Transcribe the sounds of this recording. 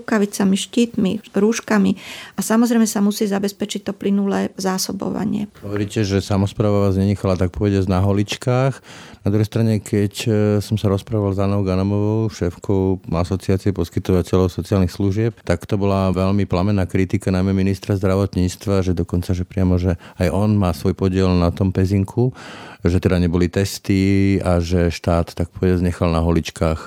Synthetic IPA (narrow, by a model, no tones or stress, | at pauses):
kaʋit͡samiʃciːt̪miɾuːʃkamiasamɔzɾɛjmɛsamusiːzabɛspɛt͡ʃic̚t̪ɔplinulɛːzaːsɔbɔ̰ʋa̰ɲɪɛ̰ɦɔʋɔɾiːcɛʒɛsamɔspɾaːʋaʋaːzɲɛɲɛxalat̪ak̚pɔʋɛɟad͡znaɦɔlit͡ʃkaːxnad̪ɾuɦɛjst̪ɾaɲɛkʰɛcsɔmsaɾɔspɾaːʋalzanɔʊɡanɔmɔʋɔʊʃɛːfkʰɔʊasɔt͡siaːt͡siɛpɔskit̪ɔʋacɛlɔʊsɔt͡sialnixsluʒɪɛp̚t̪akt̪ɔbɔlaʋɛʎmiplamɛnaːkɾit̪ikanajmɛminist̪ɾazd̪ɾaʋɔt̪ɲiːt͡st̪ʋaʒɛd̪ɔkɔnt͡saʒɛpɾɪamɔʒɛajʔɔnmaːsʋɔjpɔɟɪɛlnat̪ɔmpɛziŋkʰuʒɛt̪ɛd̪aɲɛbɔlit̪ɛst̪iaʒɛʃt̪aːt̪ːak̚pɔʋɛɟɪad͡zɲɛxalnaɦɔlit͡ʃkaːx